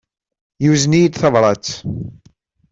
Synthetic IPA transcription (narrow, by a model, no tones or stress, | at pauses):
juznid̪θɑvɾˤɑt͡s